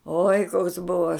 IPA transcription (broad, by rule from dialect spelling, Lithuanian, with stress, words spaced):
oːɪ koːks ˈbʊʋoː